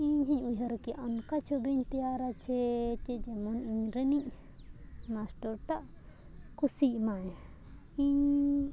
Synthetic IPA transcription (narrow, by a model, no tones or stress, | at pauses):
iɲɦiɲujɦaɾkiʔankat͡ʃɔbiɲt̪ijaɾat͡ʃʰɛt͡ʃɛd͡ʒɛmɔniɲɾɛniʔ | masʈɔɾt̪aʔ | kusiʔmaj | iɲ